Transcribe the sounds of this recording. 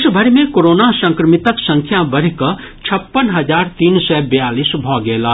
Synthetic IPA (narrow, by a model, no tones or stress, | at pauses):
ʃbʱəɾmẽkoːɾoːnasə̃ŋkɾəmɪt̪əksə̃ŋkʰjabəɾkə | t͡ʃʰəpːənɦɐd͡ʒaːɾt̪iːnsɛːbejaːliːsbʱɔːɡeːlaː